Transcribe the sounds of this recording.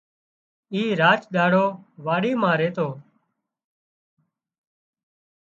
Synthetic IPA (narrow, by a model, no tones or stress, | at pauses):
iːɾaːt͡ʃɗaːɽoːʋaːɽiːmãːɾeːt̪oː